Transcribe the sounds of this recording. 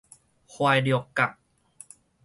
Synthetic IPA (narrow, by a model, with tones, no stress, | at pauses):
xʰwaː˧jdi˧˩kːa˨˩k̚